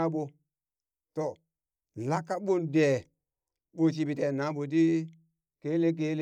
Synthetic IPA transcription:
a˦ɓo˨ | to˨ | la˦kːa˦ɓo˦nde˨ | ɓo˦t͡ʃ̬i˦bi˨te˨na˨˦ɓo˨d̬i˦ | ke˦le˦k̬e˦l

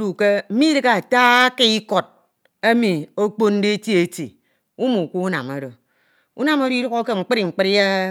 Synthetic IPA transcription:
ɾu˨ke˦m̩˦mi˦dɨ˦ka˨taː˦ke˦i˦ko˨t̚ | e˦mi˨o˦k͡po˦n˦de˦ti˦e˨ti˨ | u˦mu˨ku˦u˦na̰˨mo˨do˨ | u˦na˨mo˦ɾo˦i˦ɾo˦ɣo˦ke˦ŋ͡m̩˨k͡pɨ˦ɾi˨ŋ͡m̩˨k͡pɨ˦ɾja˦

